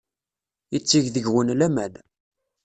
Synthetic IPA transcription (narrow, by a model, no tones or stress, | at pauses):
jət͡sːiʝðəʝwənlæmæn